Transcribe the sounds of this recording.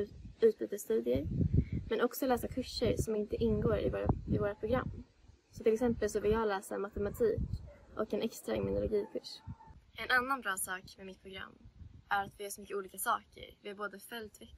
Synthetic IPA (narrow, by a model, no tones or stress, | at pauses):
ʉ̟ːt̪̚biːt̪əst̪ʉ̟ːd̪ɪəɾmɛnɔksɔlɛːsakʰɵʂːəɾsɔmɪnt̪əʔɪnɡoːɾɪ̰voːɾa̰ɪvoːɾapʰɾʊɡɾa̰mː | sɔt̪ʰɪlɛksɛmpəlsɔvɪjɑːlɛːsa̰mat̪ɛmat̪ʰiːkʔɔkːɛnʔɛkst̪ɾaɛ̰mɪnʊlʊɡiːkʰɵʂɛnanːanbɾɑːsɑːkmɛmɪt̪̚pʰɾʊɡɾa̰mːʔæɾat̪vɪjœːʂɔmʏkːəuːliːkasɑ̰ːkə̰ɾvɪæɾboːd̪əfœlt̪ʰvɛ